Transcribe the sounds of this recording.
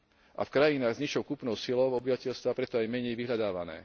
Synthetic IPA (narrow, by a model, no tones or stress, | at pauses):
ʔa̰fkɾajinaːɣzɲiʃɔʊkupnɔʊsilɔʊɔbiʋacɛʎst̪ʋapɾɛt̪ɔajmɛɲɛjʋiɦʎad̪aːʋanɛ̰ː